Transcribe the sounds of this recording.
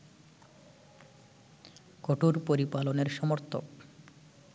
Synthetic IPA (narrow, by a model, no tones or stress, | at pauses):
koʈʰuɾpoɾipaloneɾʃɔmoɾt̪ʰo̰k